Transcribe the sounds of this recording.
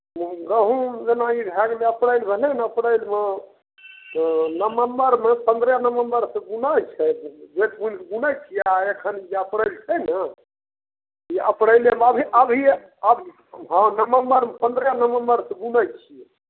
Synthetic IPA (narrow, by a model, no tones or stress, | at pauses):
ɡəɦũd͡ʒenaibʱɛɡleəpɽəjlbʱelenəpɽəjlme | nəməmbəɾmepə̃nd̪ɾənəməmbəɾsẽɡunat͡ʃʰɛbet̪munkɡunəjt͡ʃʰijaekʰənd͡ʒeəpɽəjlt͡ʃʰɛnə | iəpɽəjleməbʱiʔəbʱi | əbʱi | ɦə̃nəməmbəɾmepənd̪ɾənəʋəmbəɾsẽɡunəjt͡ʃʰijɛ